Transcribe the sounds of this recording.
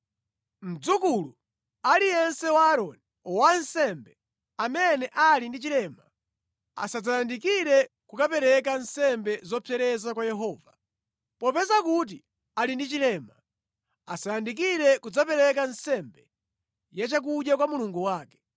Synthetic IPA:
m̩d͡zukulu | alijɛnsɛwaːɾɔni | wansɛmbɛ | amɛnɛʔalindit͡ʃilɛːma | a̰sad͡zajandikiɾɛ | kukapɛɾɛkansɛmbɛzɔpʰɛɾɛzakwajɛɦɔːva | pɔpɛzakut̬i | alindit͡ʃilɛːma | a̰sajandik̬iɾɛkud͡zapɛɾɛk̬ansɛmbɛ | jat͡ʃak̬uɗjak̬wamuluŋɡuwaːkɛ̥

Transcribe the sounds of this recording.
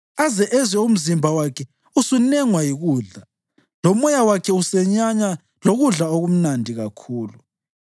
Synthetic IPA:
azɛʔɛzwɛum̩zimbʱawakʰɛ | usunɛŋwajiɣuːɮa | lɔmɔjawakʰɛusɛɲaɲa | loɣuɮaoɣum̩nandʱiɣakʰuːlu

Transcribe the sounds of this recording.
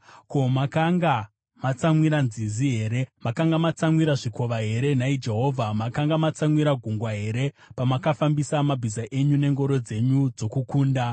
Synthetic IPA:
ko̞makaŋɡa | mat͡samwiɾanziziɦe̞ːɾe̞makaŋɡamat͡samwiɾaʐiko̞ʋaɦe̞ɾe̞naid͡ʒe̞ɦo̞ːvʱamakaŋɡamat͡samwiɾaɡʱuŋɡwaɦe̞ɾe̞ | pamakafambisamabʱizaʔe̞ɲune̞ŋɡo̞ɾo̞d͡ze̞ɲud͡zo̞kukuːnda

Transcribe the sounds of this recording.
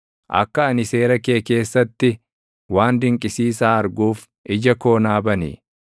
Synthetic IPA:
ʔɐ̰kːɐːnɪse̞ːɾɐke̞ːke̞ːsːɐt̪ːɪ | waːnd̪ɪŋkʼɪsiːs̬aːɐɾɡuːf | ʔɪd͡ʒɐko̞ːnaːbɐnḭ

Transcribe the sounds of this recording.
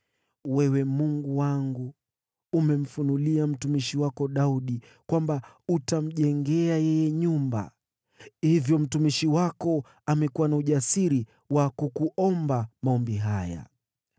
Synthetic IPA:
wɛwɛmuŋɡuwaŋɡu | umɛm̩funuliam̩tumiʃiwakɔɗauɗi | kwamba | utam̩ʄɛŋɡɛajɛjɛɲumba̰ | hivjɔm̩tumiʃiwakɔ | amɛkuwanauʄasiɾi | wakukuʔɔmbamaɔmbiɦaja̰

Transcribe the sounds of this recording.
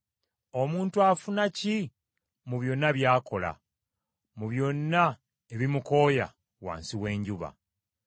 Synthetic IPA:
o̞muːntuafunaci | muβjo̞nːaβjaːko̞la̰ | muβjo̞nːa | eβimuko̞ːja̰ | wa̰ːnsiwe̞ːɲɟuβa̰

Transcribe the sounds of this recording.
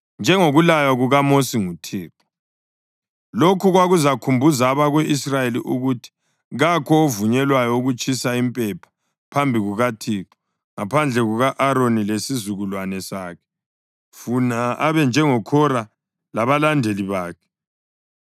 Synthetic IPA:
nd͡ʒʱɛŋoɣulajaɣuɣamosiŋutʰiːǁɔ̥ | lokʰuɣwaɣuzakʰumbʱuzaβaɣwɛʔisrajeliʔuɣutʰi̥ | ɣakʰɔovuɲɛlwajɔuɣut͡ʃʼisaimpʼɛpʰḁ | pʰambʱiɣuɣatʰiːǁɔ̥ | ŋapʰand͡ɮʱɛɣuɣaʔaɾonilesizuɣulwanɛsaːkʰɛ̥ | funaaβɛnd͡ʒʱɛŋɔkʰɔɾa | laβalandʱeliβaːkʰɛ̥

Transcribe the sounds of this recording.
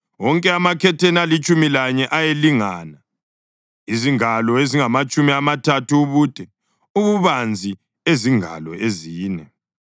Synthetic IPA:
wɔŋkʼɛamakʰɛtʰenalit͡ʃʼumilaɲɛʔajeliŋana | iziŋalɔeziŋamat͡ʃʼumiamatʰatʰuːβud̥ʱʼɛ | uβuβand͡zʱi | eziŋʱa̰lɔ̰eziːnɛ

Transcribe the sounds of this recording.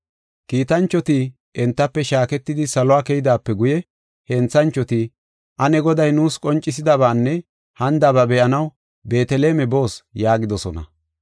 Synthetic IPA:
kiːt̪ɐnt͡ʃːɔt̪iː | ʔɛnt̪ːɐpːɛʃaːkɛt̪ːɪd̪ɪsɐlɔwaːkɛjɪd̪aːpːɛɡʊjɛ | hɛnt͡sːɐnt͡ʃːɔt̪iː | ʔɐnɛɡɔd̪ɐjnuːskʼɔnt͡ʃʼːɪsɪd̪ɐβaːnːɛ | hɐnd̪ɐbɐbɛʔɐnɐw | be̞ːt̪ɛleːmɛbo̞ːsjaːɡɪd̪ɔsɔnɐ̰

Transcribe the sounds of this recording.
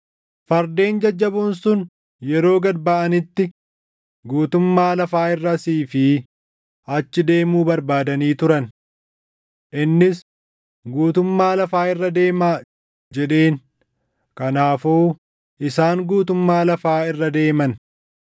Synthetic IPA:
fɐɾd̪e̞ːnd͡ʒɐd͡ʒːɐbʊnsʊn | jɛɾo̞ːɡɐd̪bɐʔɐnɪt̪ːɪ | ɡuːt̪ʊmːaːlɐfaːɪrːɐsiːfɪ | ɐt͡ʃːɪd̪e̞ːmuːbɐɾbaːd̪ɐniːt̪ʊɾɐn | ʔɪnːɪs | ɡuːt̪ʊmːaːlɐfaːɪrːɐd̪e̞ːmaː | d͡ʒɛᶑe̞ːn | kɐnaːfoː | ɪsaːŋɡuːt̪ʊmːaːlɐfaːɪrːɐd̪e̞ːmɐn

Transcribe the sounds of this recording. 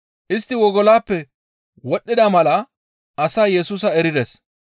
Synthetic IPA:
ʔɪst̪ːɪwɔɡɔlaːpːɛ | wɔɗːɪd̪ɐmɐlɐ | ʔɐsaːjɛsuːsɐɛɾɪd̪ɛs

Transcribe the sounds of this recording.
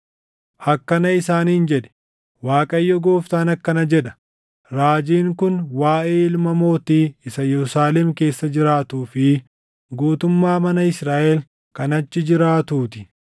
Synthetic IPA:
hɐkːɐnɐɪsaːniːnd͡ʒɛᶑɛ̥ | waːkʼɐjːɔɡoːft̪aːnɐkːɐnɐd͡ʒɛᶑɐ̥ | ɾaːd͡ʒiːŋkʊnwaːʔeːɪlmɐmo̞ːt̪iːɪsɐjɛɾʊsaːlɛmke̞ːsːɐd͡ʒɪɾaːt̪uːfɪ | ɡuːt̪ʊmːaːmɐnɐɪsɾaːʔɛl | kɐnɐt͡ʃːɪd͡ʒɪɾaːt̪uːt̪ɪ̥

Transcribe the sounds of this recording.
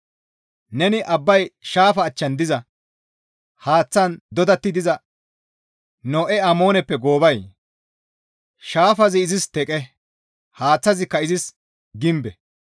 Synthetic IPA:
nɛnɪʔɐbːɐjʃaːfɐːt͡ʃːɐnd̪ɪzɐ | haːt͡sːɐnd̪ɔd̪ɐt̪ːɪd̪ɪzɐ | noːʔɛɐmo̞ːnɛpːɛɡo̞ːbɐj | ʃaːfɐzɪɪzɪst̪ɛkʼɛ | haːt͡sːɐzɪkːɐɪzɪs | ɡɪmbɛ

